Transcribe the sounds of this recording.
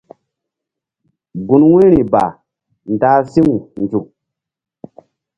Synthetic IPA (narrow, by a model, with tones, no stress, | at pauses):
ɡu˨nwe˦ɾi˨ba̰˨ | n˨da˨˦si˦ŋu˨nd͡ʒu˨k̚